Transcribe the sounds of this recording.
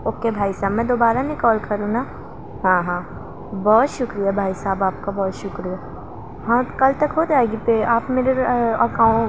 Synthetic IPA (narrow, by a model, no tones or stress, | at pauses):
oːkebʱaːisaːbmɛ̃d̪oːbaːɾanĩkɔːlkʰɐɾũnaː | ɦãːɦãː | bɔːt̪ʃʊkɾijabʱaːisaːbaːp̚kabɔːt̪ʃʊkɾija | ɦãːkɐlt̪ɐkɦoːt̪aːeɡipeaːpmeːɾeɐkãː